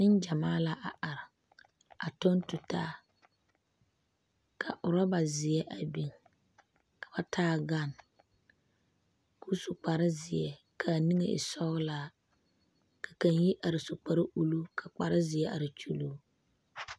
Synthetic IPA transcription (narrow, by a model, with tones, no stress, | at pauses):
nɪ˦nd͡ʒa˨maː˦la˨ʔa˨ʔa˨ɾɪ˨ | a˨tɔ˦n˦tʊ˨taː˦ | kʰa˨ʔʊ˨ɾa˦ba˨zɪ˨ɛ˦ʔa˨bi˨ŋ | kʰa˨ba˦tʰaː˦ɡa˦˨n | ku˦sʊ˨k͡pa˨ɾɪ˦zɪ˨ɛ˨ | kʰa˨ni˦ŋḛ˨ʔɪ̰˨sɔ˦laː˦ | kʰḁ˨ka˨nji˦ʔa˨ɾɪ˨sʊ˨k͡pa˨ɾɪ˦ʔu˨lu˦kʰa˨k͡pa˨ɾɪ˦zɪ˨ɛ˦a̰˨ɾɪ˨t͡ʃu˦luː˦